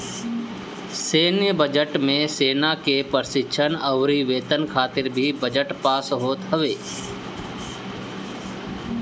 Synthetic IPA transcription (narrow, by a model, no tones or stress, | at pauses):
seːnjəbəd͡ʒəʈmẽseːnakepəɾsɪkːʃʰənəʋɾiʋeːt̪ənkʰaːt̪ɪɾbʱibəd͡ʒəʈpaːsɦoːt̪ɦəʋeː